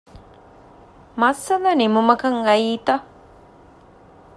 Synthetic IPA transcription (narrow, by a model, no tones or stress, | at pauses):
masːananimʊmakaŋɢait̪a